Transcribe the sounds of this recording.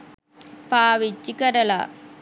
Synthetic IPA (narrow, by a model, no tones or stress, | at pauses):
paːʋit͡ʃːikɐɾɐla̰